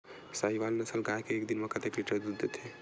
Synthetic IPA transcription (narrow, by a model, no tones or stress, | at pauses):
saiʋalnəsəlɡajkeːkd̪inmekət̪ekliʈəɾd̪ud̪ːet̪e